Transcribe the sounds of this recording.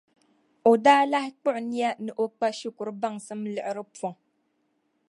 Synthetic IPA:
o˨daː˦la˦hɪ˦k͡pʊ˦ʔʊ˨ni˦a˦nɨ˨ʔo˦k͡pa˦ʃi˦kʊ˨ɾɨ˦ba˦ŋsɨ˦mlɨ˨ʔɪ˦ɾɨ˦pɔ˨ŋ

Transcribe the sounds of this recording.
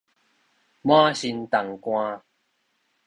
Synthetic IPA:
mã˦ɕi˧nt̪a˨˩ŋkw̃ã˧

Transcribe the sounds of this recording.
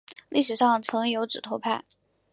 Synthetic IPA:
li˥˩ʂɻ̩˨˩ʂɑ˥˩ŋt͡sʰɤ˧˥ŋjo˧˥ʊʈ͡ʂɻ̩˨˩t̪ʰo˧˥pʰa˥˩ɪ

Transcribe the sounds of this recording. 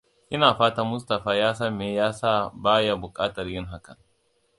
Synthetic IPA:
ʔɪ˦naː˨ɸaː˦ta˦mʊ˦stɐ˨ɸaː˦jaː˦s̬ɐ˦mːeː˦jaː˦saː˦baː˦ja˨bʊ˨kʼaː˦tɐ˨rjɪ˦ŋɦa˦kɐ˨ŋ

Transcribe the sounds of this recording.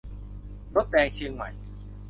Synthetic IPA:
lo˦˥p̪̚ɗɛː˧ŋt͡ɕʰɯ˧əŋma̰˨˩˦j

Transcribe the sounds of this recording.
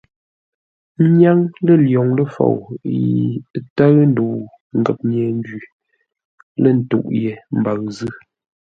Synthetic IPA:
ɲa˦ŋlə˦˨ljɔ˨ŋlə˦fo̰˨wjḭ˨˦ta˦ɣn̩˦du˨ | ŋ̩˨ɡə˨p̚ɲɛː˨n˦d͡ʒi˨ | lə˦˨n̩˨tṵ˦˨ʔje˨m̩˨ba˨ɣzɨ˦

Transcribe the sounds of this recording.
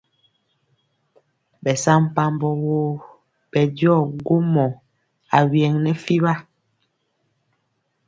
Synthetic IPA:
bɛ˨sa˦m˦pa˦m˦bɔ˦woː˦ | bɛ˨djɔ˦˨ɡo˦mɔ˨ | a˨wjɛ˨ŋnɛ˦fi˦βa˦

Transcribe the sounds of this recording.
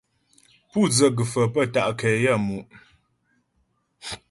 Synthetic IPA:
pu˦˨d͡zə˨ɡɨ˨fə˨pə˦˨ta˨ʔkɛ˨ja˦˨mu˨ʔ

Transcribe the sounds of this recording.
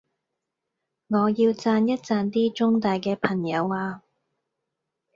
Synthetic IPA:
ŋɔː˨˧jiː˧wt͡saː˧njɐ˥t̚t͡saː˧nt̪iː˥t͡ʃʊ˥ŋt̪aː˨jkɛː˧pʰɐ˨˩ŋjɐ˨˧waː˧

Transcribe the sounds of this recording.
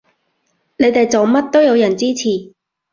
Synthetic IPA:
ne˨˧jt̪e˨jt͡so˨wmɐ˥t̚t̪o˥wjɐ˨˧wjɐ˨˩nt͡siː˥t͡sʰiː˨˩

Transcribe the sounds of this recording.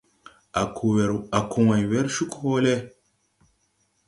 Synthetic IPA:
a˨ku˨wa˨jwe˦ɾʃu˦ko˦le˦

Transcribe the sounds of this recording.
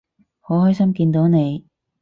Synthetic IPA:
ho˨˥hɔː˥jsɐ˥mkiː˧nt̪o˨˥wne˨˧j

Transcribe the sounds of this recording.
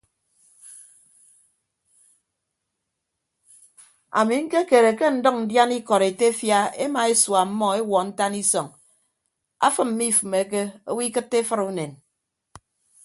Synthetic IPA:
a̰˨mi˨ŋ̩˦ke˦ke˨ɾe˨ke˦n̩˨˦dɔ˦k̚n̩˨dja˦ni˦kɔ˨ɾe˨te˦fja˦e˦ma˨e˦swa˨m̩˦mɔ˦e˦wɔ˨n̩˦ta˦ni˦sɔ˨ŋ | a̰˦fɨ˦m̩˦mi˦˨fɨ˨me˨˦k̬e˦o˦wi˦kɨ˦tːe˦fɨ˦ɾu˦ne˨n

